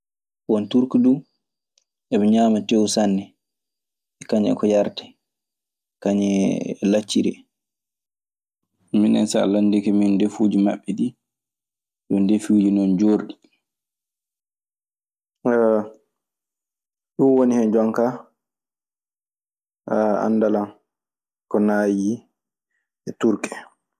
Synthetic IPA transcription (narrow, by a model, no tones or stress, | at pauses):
wɔntuɾkudu | ɛbɛɲaːmatewsanːɛ | ɛkaɲɛ̰kɔjaɾtɛ̥ | kaɲɛlat͡ʃːiɾɛ̰ | minɛ̰nsa̰landikɛmindefud͡ʒima̰ɓːɛdi | ɗɔndefuːd͡ʒinɔnd͡ʒoɾɗi | ɗuwonihɛnd͡ʒɔŋka | a̰nːdalan | kɔnaːji | ɛtuɾkɛ̥